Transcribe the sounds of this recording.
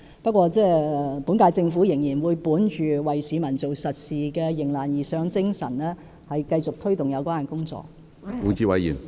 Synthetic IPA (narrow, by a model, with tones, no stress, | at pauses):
pɐ˥t̚kʷwɔː˧t͡sɛː˥ɛ˨pu˨˥nkaː˧jt͡sɪ˧ŋfuː˨˥jɪ˨˩ŋjiː˨˩nwuː˨˧jpuː˨˥nt͡ʃyː˨wɐ˨jsiː˨˥mɐ˨˩nt͡so˨wsɐ˨t̚siː˨kɛː˧jɪ˨˩ŋlaː˨njiː˨˩sœː˨˥ŋt͡sɪ˥ŋsɐ˨˩nlɛː˥ | hɐ˨jkɐ˧jt͡sʊ˨k̚t̪ʰɵ˥ɥt̪ʊ˨ŋjɐ˨˧wkʷaː˥˨˩kʊ˥ŋt͡sɔ̰ː˨k̚ | uː˨˧t͡siː˧wɐ˨˧jjḭː˨˩n